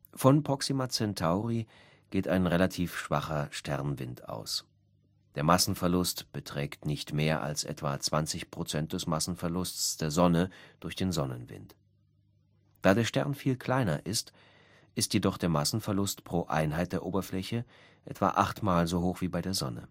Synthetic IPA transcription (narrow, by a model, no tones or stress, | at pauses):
fɔnpʁ̥ɔksimat͡sɛntʰaʊʁi | ɡ̥eːtaɪnʁelatʰiːfʃv̥a̰χɐʃtɛʁnvɪnta̰ʊs | d̥eːɐmasn̩fɛɐlʊstb̥ətʁ̥ɛːktnɪçtmeːɐʔa̰lsʔɛ̰tv̥a̰t͡sv̥ant͡sɪçpʁ̥ot͡sɛnt̚d̥ɛsmasn̩fɛɐlʊst͡sd̥eːɐzɔnəd̥ʊɐçd̥eːnzɔnənvɪ̰nt | d̥aːdeːɐʃtɛʁnfiːlkʰl̥aɪnɐʔɪst | ʔɪstjedɔχd̥eːɐmasn̩fɛɐlʊstpʁ̥oːʔa̰ɪnɦaɪt̚d̥eːɐʔoːbɐflɛçə | ʔɛ̰tv̥a̰ʔaχtmaːlzoɦoːxv̥iːbaɪdeːɐzɔ̰nə̰